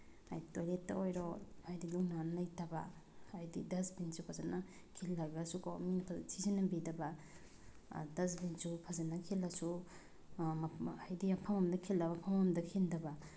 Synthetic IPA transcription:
a̰jtojletːa̰ojɾɔajdiluŋnanlajtaba̰ːjdidasbinsupʰazanːa | kʰilːabasukominapʰasʰizanːabidaba̰ | das̬binsupʰazanːakʰelːasu | ajdiapʰamamdɐkʰelːaβapʰamamdɐkʰendɐba

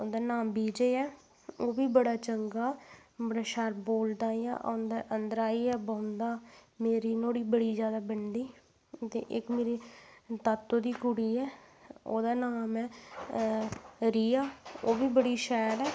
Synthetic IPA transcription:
oːd̪aːnaːmbiːd͡ʒeːɛː | oːbiːbəɽaːt͡ʃəŋɡaːmɾaʃaɾboːld̪aːjã̰ːʔa̰ːnd̪aːʔənd̪əɾaːiːɛːbaːʊnd̪aːmeːɾiːnoːɽiːbəɽiːzjaːd̪aːbəɳɖiː | t̪ḛːʔɪkmeːɾiːt̪at̪ːoːd̪iːkʊɽiːɛːo̰ːd̪aːnaːmɛ̃ː | ɾiːaːoːbiːbəɽiːʃɛːɾɛː

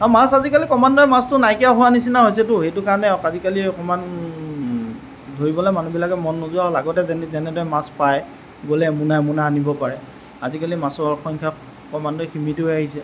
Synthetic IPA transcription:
amasazikalikɔmandɔɛmastʊnajkijaɦʊwanisinaɦojsɛtʊxejtʊkaɹɔnɛɔkazikaliɔkɔman | dʱoɹibɔlɔmanubilakɛmɔnːuzuaɦɔlaɡɔtɛzɛnzɛnɛdɔjmãspaj | ɡolɛmunamunaanibɔpaɹɛ | azikalimasɔɹkɔŋkʰa | kɔmandɔɛximituɦojaɦisɛ

